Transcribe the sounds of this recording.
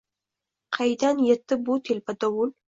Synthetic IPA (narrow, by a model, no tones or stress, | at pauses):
qʰɑjd̪anjet̪ːɪbut̪ʰelpad̪awul